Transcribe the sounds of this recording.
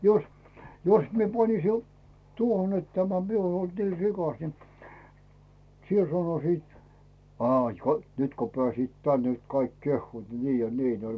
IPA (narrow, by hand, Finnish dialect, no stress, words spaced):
jos jos mie pɑnisi o tuohon et tæmæ mie uon olt niː rikɑs ni siel sɑnosiːt ɑːĭ ko nyt ko pĕæˑsiːt tæn nyt kɑik kehːuːt niː jɑ niːn olʲ